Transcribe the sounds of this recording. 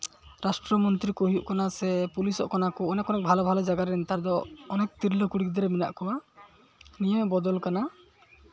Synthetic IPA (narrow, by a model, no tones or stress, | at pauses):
ɾasʈɾɔmɔnt̪ɾikoɦijuʔkanasɛpulisɔ̰ʔkanakɔːnɛkɔnɛk̚bʱalɔbʱalɔd͡ʒaɡaɾɛɛnt̪aɾd̪ɔɔnɛk̚t̪iɾlɔkuɽik̚d̪ɔɾɛmina̰ʔkɔwa | nijɔmbɔd̪ɔlkana